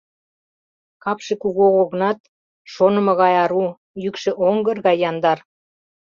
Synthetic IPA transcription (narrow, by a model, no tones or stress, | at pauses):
kɑpʃekuɣoɣoɣənɑt̪ | ʃonə̆mɤ̆ɣɑjɑɾu | jykʃĕʔoŋɡərɣɑjːɑnd̪ɑr